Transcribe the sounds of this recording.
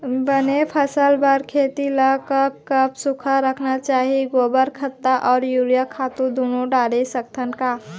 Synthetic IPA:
bənepʰəsəlbəɾkʰet̪iləkək̚kəpsukʰəɾəkʰnat͡ʃaɦiɡobəɾkʰət̪ːaʔɔːɾjuɾjakʰat̪ud̪onoɖaɽesək̚t̪ʰənka

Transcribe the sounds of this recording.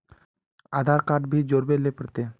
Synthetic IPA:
aːd̪ʱaːɾkaːɾʈ̚bʱid͡ʒoːɾbelepəɽt̪eː

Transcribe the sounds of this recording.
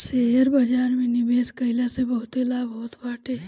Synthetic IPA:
seɾbad͡ʒaːɾmẽnɪbeːskəɪlasebɐɦʊt̪elabʱɔːt̪baːʈe

